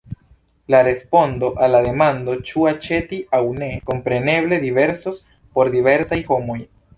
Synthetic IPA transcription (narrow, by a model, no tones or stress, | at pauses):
laɾe̞spo̞nd̪o̞ʔalːade̞mand̪o̞t͡ʃuat͡ʃe̞t̪iʔawne̞ko̞mpɾe̞ne̞βle̞d̪iβe̞ɾsos | po̞ɾd̪ive̞ɾsajho̞moj